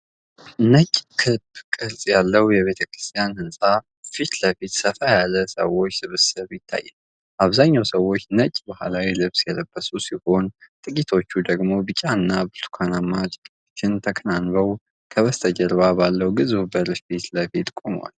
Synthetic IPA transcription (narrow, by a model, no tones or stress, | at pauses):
nət͡ʃʼkʰɨbkʼɨɾsʼjalːəwjɛβe̞t̪ʰəkɾɨ̥st̪ʰʼijanhɨnsʼa | fit̪ləfit̪səfajalːəsə̰wo̞t͡ʃːsɨβsɨβjɪt̪ʰːa̰jːɛn | ʔaβzaɲːawsəwːo̞t͡ʃːnət͡ʃʼbəhalawilɨβsjɛləbːəsusiho̞nt̪ʼɨkʼit̪ʰo̞t͡ʃːud̪əɡmo̞bɨt͡ʃʼanːabɨɾt̪ʰu̥kʰanamːat͡ʃʼ | t͡ʃʰːɪnt̪ʰəkʰənanβəw | kʰəβəst̪ʰəd͡ʒəɾβabalːəwɡɨzubəɾʃfit̪ləfit̪ʼkʼom̰wa̰l